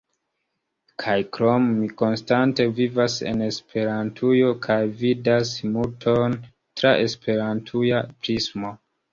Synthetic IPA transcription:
kʰajkɾomːiko̞nstante̞vivase̞̰ne̞spʰe̞ɾantʰujo̞kʰajvidasmutʰo̞n | tɾaʔe̞spe̞ɾantʰujapɾismo

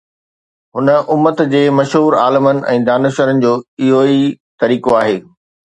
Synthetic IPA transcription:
ɦʊnə̆ʔʊmːət̪d͡ʑeːmɐʃɦuːɾa̰ːlɪmənɪ̆ʔɛ̰̃ːd̪aːnʊʃəɾənɪ̆d͡ʑoːiɦoi | t̪ɐɾiːkoaːɦeː

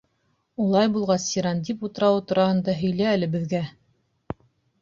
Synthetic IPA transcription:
ulˠɑjbulˠʁɑsiɾɑnd̪ʲiput̪ɤ̆ɾɑwɤt̪ŏɾɑhɤ̆nd̪ɑɦɵ̆jlæːlɘ̆bɘ̆ðɡæ

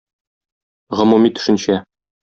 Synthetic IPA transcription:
ʁɤ̆mumit̪ɵ̥̆ʃɘ̆nɕæ

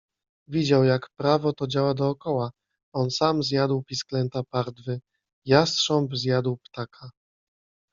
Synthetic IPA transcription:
vʲid͡ʑawjakpɾavɔt̪ɔd͡ʑawad̪ɔːkɔwa | ɔnsamzʲjad̪wpʲisklɛnt̪apaɾd̪vɘ | jast̪ʂɔmbzʲjad̪wpt̪akʰa

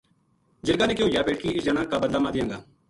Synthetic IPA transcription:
d͡ʒɪɾɡaːneːkjoːjaːpeːʈkiːɪsd͡ʒaːɽ̃ãːkaːbəd̪laːmaːd̪ɪjãːŋɡaː

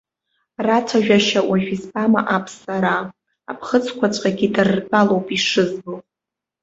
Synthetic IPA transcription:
rat͡sʷʰaʒᶣaʃawʔaʒᶣisbʼama̰ʔapʰsaɾa | a̰pʰχət͡sʰkʷʰat͡ʃʷʼqʼaɡʲidɨrrpʼalowpʼiʂɨzbɨl

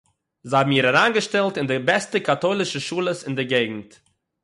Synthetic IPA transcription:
zabm̩iːɾaɾaːnɡəʃtɛlˠtɪndɪbɛstəkatoːlˠɪʃəʃuːlˠəsɪndɪɡeɪɡŋ̩t

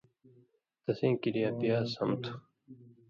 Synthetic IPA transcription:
t̪ɐsĩːkiɾijaːpijaːsɐmt̪ʰu̥

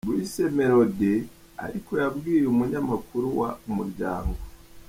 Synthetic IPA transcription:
bwise̞me̞ɾo̞de | a̰ɾiko̞jabɡiːɾeumuɲamakuɾuwa̰umuɾɟa̰ːŋɡo

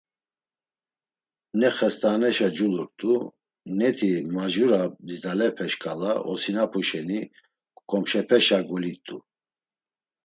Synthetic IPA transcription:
nɛχɛst̪ʼanɛʃad͡ʒulɔɾt̪ʼu | nɛt̪ʰimaʒuɾad̪id̪alɛpʰɛʃkʼalaʔɔsinapʰuʃɛni | kʼɔmʃɛpʰɛʃaɡulit̪ʼu

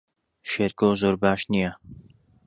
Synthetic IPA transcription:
ʃeːɾkowzoːɾbaːʃnijɐ

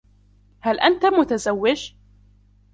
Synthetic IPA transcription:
halʔant̪amʊt̪azawːɪd͡ʒ

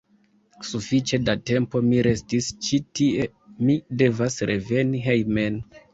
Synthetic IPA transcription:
sufit͡ʃe̞date̞mpo̞miɾe̞stist͡ʃitie̞ | mide̞vasɾʔe̞ve̞niɦejmen

